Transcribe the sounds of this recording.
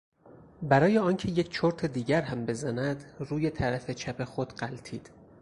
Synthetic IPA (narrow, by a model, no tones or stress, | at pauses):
bæɾɒːjeɒːncʰe̞jecʰt͡ʃʰoɾt̪ʰe̞d̪iːɟæɾɦæmbe̞zænæd̪ruːje̞t̪ʰæɾæfe̞t͡ʃʰæpʰe̞xod̪̥ɢælt̪ʰiːd̪̥